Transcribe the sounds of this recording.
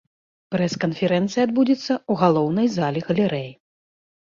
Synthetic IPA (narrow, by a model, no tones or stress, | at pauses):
pɾɛskɐnfʲɛɾɛnt̪sɨjad̪̚bud͡zʲit̪sːɐuɣalˠɔwnɐjzalʲɛɣɐlʲɛɾɛj